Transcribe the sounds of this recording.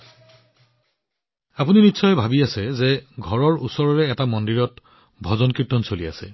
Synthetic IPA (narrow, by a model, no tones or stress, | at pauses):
apuninitːsɔjɛbʱabiasɛzɛɡʱɔɹɔɹusɔɹɔɹɛːtamɔndiɹɔt | bʱɔzɔnkitːɔnsolia̰sɛ̰